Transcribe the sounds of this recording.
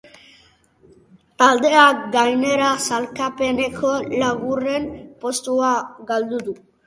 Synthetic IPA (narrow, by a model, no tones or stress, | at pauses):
t̪ald̪eaɡajneɾasalkapenekʰolaɣurenpost̪uaɡald̪ud̪u